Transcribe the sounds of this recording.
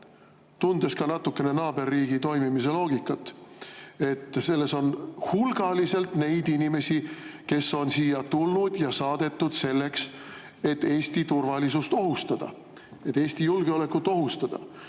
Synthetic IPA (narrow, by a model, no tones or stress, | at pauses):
t̪und̪̥e̞skɑnɑt̪ːˑukːe̞ne̞nɑːbe̞rːiːɡit̪o̞jmimis̬e̞lo̞ːɡikːˑɑt̪ːˑ | e̞t̪ːˑse̞lːe̞so̞nhulɡ̥ɑlise̞lt̪ne̞jd̪inime̞sike̞sːo̞nsiːjɑt̪ulnud̪̥jɑsɑːd̪̥e̞t̪ːud̪̥se̞lːe̞ks | e̞t̪ːe̞ːsʲt̪it̪urvɑlisust̪o̞ɦust̪ɑd̪̥ɑ̰ | e̞t̪ːˑeːsʲt̪ijulɡeo̞le̞kːut̪ːˑo̞ɦust̪ɑd̪̥ɑ̰